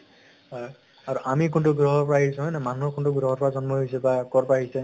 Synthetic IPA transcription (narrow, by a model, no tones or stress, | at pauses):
j | aɹuʔamik̬untʊɡɹɔɦɔɹpɔɹaɦisɔɦɔjnɛmanuɦɔkʊntʊɡɹɔɦɔɹpɔɹazɔnmɔɦisɛbakɔɹpɔɹaɦisɛ